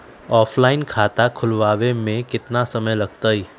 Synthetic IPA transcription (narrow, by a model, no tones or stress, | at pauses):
ɔːpʰlaːɪnkʰaːt̪akʰʊlʋaːʋemẽkɪt̪nasəməjləɡt̪əi